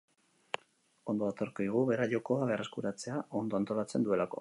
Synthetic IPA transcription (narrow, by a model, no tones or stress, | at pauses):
o̞nd̪o̞βat̪o̞ɾkoðiɣ̞uβe̞ɾaʎo̞ko̞aβe̞are̞skuɾat͡se̞ao̞nd̪o̞ant̪o̞lat͡se̞nd̪ue̞lako̞̰